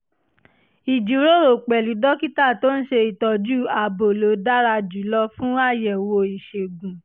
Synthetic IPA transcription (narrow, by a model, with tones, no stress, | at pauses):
i˨d͡ʒi˨˦ɾo˦ɾo˨k͡pɛ˨lu˨˦dɔ˦ki˦ta˦˨to˦n̩˦ʃe˧i˨tɔ˨˧d͡ʒu˦˨a˨bo˨lo˨˦da˦ɾa˧d͡ʒu˨˦lɔ˧fũ˦a˦˨jɛ˨wo˧i˨ʃe˨ɡũ˨